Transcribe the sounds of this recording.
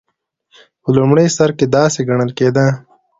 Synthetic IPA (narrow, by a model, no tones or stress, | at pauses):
ulumɽeːsɐɾked̪aːseɡɐɳəlkeːd̪ãː